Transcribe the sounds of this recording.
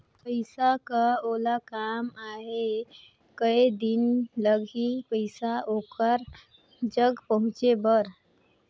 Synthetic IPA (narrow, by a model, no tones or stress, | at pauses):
pəɪsakəolakamaɦe | kəjd̪inləɡʱipəɪsaokəɾ | d͡ʒəɡpəɦũt͡ʃebəɾ